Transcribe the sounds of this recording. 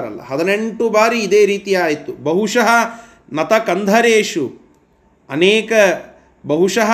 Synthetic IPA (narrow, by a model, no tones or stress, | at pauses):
ɾɐ̰lːɐ̰ɦɐd̪ɐneɳʈubaːɾiːd̪eːɾiːt̪ijaːjit̪ːubɐɦuʂɐɦɐ | nɐt̪ɐkɐnd̪ʱɐɾeːʂu | ɐneːkɐ | bɐɦuʂɐɦ